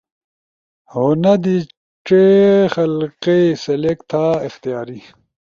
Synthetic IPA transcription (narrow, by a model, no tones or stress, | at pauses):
honɐd̪i | ʈ͡ʂexɐlqesɐlekt̪ʰaːɪxt̪ijaːɾi